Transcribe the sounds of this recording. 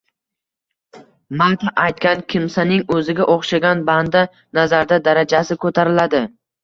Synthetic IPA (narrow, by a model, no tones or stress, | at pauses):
mat̪ʰaʔajt̪̚kʲankʲʰɪmsanɪŋɵzɪɡʲaʔoχʃaɡʲanband̪a | nazaɾd̪ad̪aɾad͡ʒasɪkʰɵt̪ʰaɾɪlad̪ɪ